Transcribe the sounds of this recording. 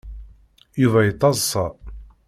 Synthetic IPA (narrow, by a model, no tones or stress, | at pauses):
juvæjət̪ˤːɑzˤsɑ